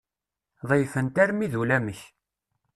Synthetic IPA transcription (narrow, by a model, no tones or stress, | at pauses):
ðˤəjfənt̪æɾmiðulæməç